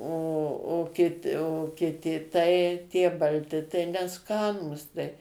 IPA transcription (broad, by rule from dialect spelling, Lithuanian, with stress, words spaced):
oː oː ˈkʲɪt oː kʲɪˈtʲɪ tɐɪ ˈtʲiɛ bɐlʲˈtʲɪ tɐɪ nʲɛˈskɑːnuːs tɐɪ